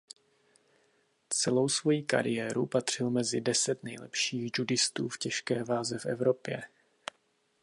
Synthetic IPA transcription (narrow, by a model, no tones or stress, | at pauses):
t͡sɛlo̞wsvo̞jiːka̰ɾɪjɛːɾupat̪r̝̥ɪlmɛzɪdɛsɛt̪nɛjlɛ̰pʃiːɣd͡ʒudɪst̪uːfcɛʃkɛːvaːzɛfɛ̰vɾo̞pjɛ